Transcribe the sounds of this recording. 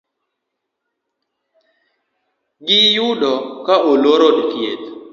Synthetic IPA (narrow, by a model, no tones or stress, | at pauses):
ɡɪjudɔkaʔoloɾodkjet̪